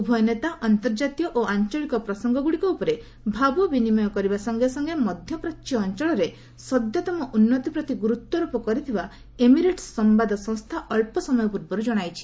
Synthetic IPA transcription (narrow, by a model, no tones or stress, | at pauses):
ubʱɔjɔnet̪aʔɔnt̪ɔɾd͡ʒat̪ijɔʔoant͡ʃɔɭikɔpɾɔsɔŋɡɔɡuɽikɔupɔɾe | bʱabɔbinimɔjɔkɔɾibasɔŋɡesɔŋɡemɔd̪ʱjɔpɾɔtːt͡ʃɔːnt͡ʃɔɭɔɾe | sɔd̪jɔt̪ɔmɔʔunːɔt̪ipɾɔt̪iɡuɾut̪ːwɔɾupɔkɔɾit̪ʰiba | emiɾeʈsɔmbad̪ɔsɔ̃ŋ̃st̪ʰaʔɔɭpɔsɔmɔjɔpuɾbɔɾud͡ʒɔɽ̃ajt͡ʃʰi̥